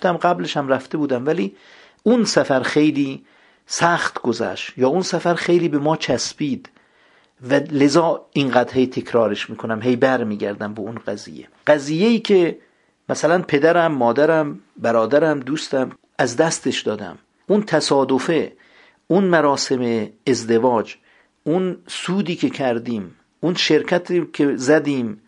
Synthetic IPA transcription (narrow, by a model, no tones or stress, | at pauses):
t̪æmɢæbleʃæmɾæft̪e̞buːd̪æmvæliː | unsæfæɾxe̞jliː | sæxt̪ɡozæ̰ʃjɒːunsæfæɾxe̞jliːbe̞mɒːt͡ʃʰæsbiːd̪ | væle̞zɒːinɢæːd̪he̞jt̪ʰe̞kʰɾɒːɾeʃmiːkʰonæmɦe̞jbæɾmiːɟæɾd̪æmbeunɢæzḭːjːḛɢ̥æziːjːejiːcʰe | mʔæsælænpʰe̞d̪æɾæmːɒːd̪æɾæmbæɾɒːd̪æɾæmd̪uːst̪æm | æzd̪æst̪eʃd̪ɒːd̪æ̰m | unt̪ʰæsɒːd̪ofe | unmæɾɒːse̞meːzd̪e̞vɒːd͡ʒ | ʔunsuːd̪iːkʰe̞kʰæɾd̪iːm | unʃe̞ɾkʰæt̪ʰikʰezæd̪iːm